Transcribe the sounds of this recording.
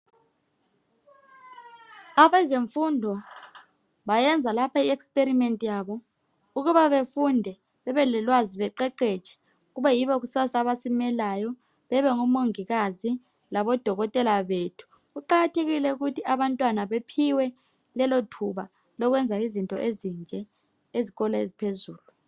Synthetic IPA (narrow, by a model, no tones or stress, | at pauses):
aβɛzeɱfundʱɔ | βajɛnd͡zʱalapʰaiɛkspʼeɾimentʼijaβɔ | uɣuβaβefundʱɛ | βɛβɛlɛlwaziβɛǃɛǃɛt͡ʃʰʼɛ̥ | uɣuβajiβɔɣusasaβasimɛlajɔ | βɛβɛŋumoŋiɣazi | laβɔd̥ʱɔɣɔtʼɛlaβetʰu̥ | ɣuǃaɣatʰeɣilɛuɣutʰiaβantʼwanaβepʰiwɛ | lɛlotʰuβa | lɔɣ̬wɛnd͡zʱaizintʼɔʔezind͡ʒʱɛ | eziɣɔlaḛzipʰezuːlu